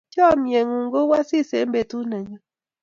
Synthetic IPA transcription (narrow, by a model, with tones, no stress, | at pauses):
t͡ʃɔ˦˨mje˨ŋu˨ŋ˦ɡo˦wa˦si˦˨se˨˦m˦be˨tu˦nɛ˨ɲɔ˦